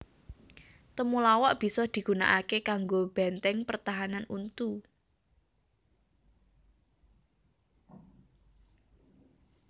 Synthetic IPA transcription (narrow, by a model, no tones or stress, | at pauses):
t̪əmulawɔʔb̥i̤sɔd̪̥i̤ɡ̥ṳna̰ʔakekaŋɡob̥ɛnt̪ɛŋpərt̪aɦananunt̪u